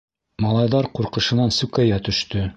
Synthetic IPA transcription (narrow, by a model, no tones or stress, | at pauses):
mɑlˠɑjðɑɾquɾqɤ̆ʃɤ̆nɑnsʉkæjæt̪ɵ̆ʃt̪ɵ